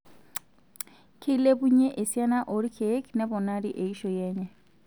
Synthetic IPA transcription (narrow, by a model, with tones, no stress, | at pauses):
kʰe˦le˦buɲɛ˦ʔe˨sia˦naʔo˨ɾi˦kʰe˨˦kʰnɛbɔ˨naɾi˦ʔe˨iʃɔjɛː˦ɲɛ